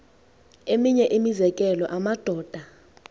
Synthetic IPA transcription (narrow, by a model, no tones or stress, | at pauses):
emiɲɛʔimizɛk̬ʼɛlɔʔamad̥ʱɔːd̥ʱa